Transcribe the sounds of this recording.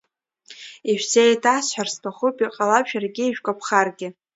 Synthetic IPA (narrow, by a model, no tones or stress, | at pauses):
iʒᶣʷsejtʰasħarstʰaχʊpʼiqʼalapʃᶣarɡʲɪiʒᶣkʷʼapʰχarɡʲɪ